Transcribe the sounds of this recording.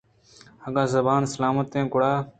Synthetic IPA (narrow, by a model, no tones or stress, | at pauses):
həɡaːzəbaːnsəlaːmət̪ːẽːkʊɽaː